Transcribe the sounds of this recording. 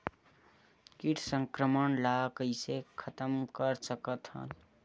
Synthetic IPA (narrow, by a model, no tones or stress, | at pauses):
kiʈʰsə̃ŋkɾəmənlakəɪsekʰət̪əmkəɾsəkət̪ɦə̰n